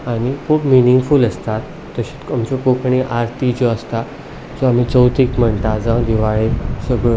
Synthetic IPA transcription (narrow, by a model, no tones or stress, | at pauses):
aɽ̃ikʰuːpminiŋɡfuləst̪at̪ːəɕit͡səmt͡ɕɔkokɳiʔaɾt̪id͡ʑɔəst̪a | d͡zɔam̤it͡səwt̪iːkm̤əɳt̪ad͡zãwd̪iʋaɭesəɡɭo